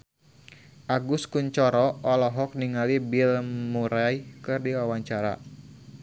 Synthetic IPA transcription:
ʔaɡuskuɲt͡ʃɔɾɔɔlɔɦɔk̚niŋalibilmuɾajkɨrdiwawaɲt͡ʃaɾa̰

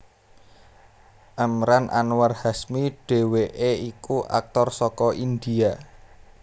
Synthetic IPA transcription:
ʔəmɾanʔa̰nwarhasmiɖ̥e̤weʔeikuʔa̰k̚t̪ɔrsɔkɔʔind̪ia

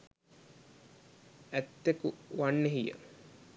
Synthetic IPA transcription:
æt̪ːekuʋanːeɦijə̰

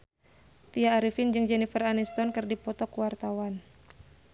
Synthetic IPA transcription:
t̪iaːɾifind͡ʒɨŋd͡ʒɛnifɛranist̪ɔnkɨrdipɔt̪ɔkuwart̪awan

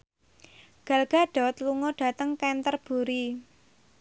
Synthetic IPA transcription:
ɡ̥a̤lɡ̥a̤ɖ̥ɔ̤t̪luŋɔɖ̥a̤t̪əŋkɛnt̪ərb̥uɾi

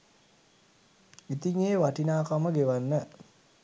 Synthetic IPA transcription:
it̪iŋeːʋaʈinaːkaməɡeʋanːə

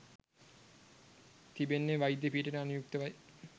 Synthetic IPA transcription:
t̪ibenːeʋajid̪epiːʈəʈəanujuk̚t̪əʋaj

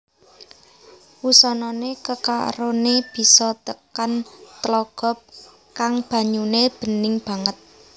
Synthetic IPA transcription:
wusɔnɔnekəka̰ʔɾoneb̥i̤sɔt̪əkant̪əlɔɡ̥ɔ̤p̚ | kaŋb̥a̤ɲuneb̥ə̤nɪŋb̥ä̤ŋət̪̚

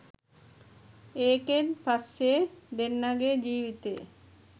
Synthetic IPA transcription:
eːkenpasːed̪enːaɡed͡ʑiːʋit̪ej̰

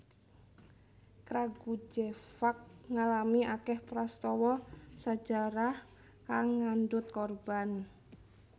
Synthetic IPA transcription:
kɾaɡud͡ʒefak̚ŋalamiakɛhpɾɔst̪ɔwɔsḁd͡ʒaɾah | kaŋːandʊt̪̚kɔrb̥an

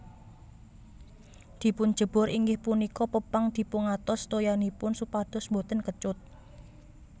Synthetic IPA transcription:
d̪̥i̤pʊn̥d͡ʒ̥ə̤b̥ɔ̤ɾiŋɡɪhpunikɔpəpaŋd̪̥i̤pʊŋat̪ɔst̪ojanipʊnsupad̪̥ɔ̤smbot̪ənkət͡ʃʊt̪̚

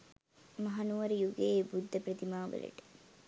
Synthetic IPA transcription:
mɐɦɐnuʋɐɾijuɡebud̪ʱːəpɾɐt̪imaːʋə̰lḛʈə̥

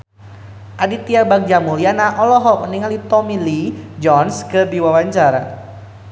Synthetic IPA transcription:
ʔadit̪iabaŋ̚d͡ʒamulianaʔɔlɔɦɔk̚məniŋalit̪ɔmilid͡ʒɔnskəbiwawaɲt͡ʃaɾa

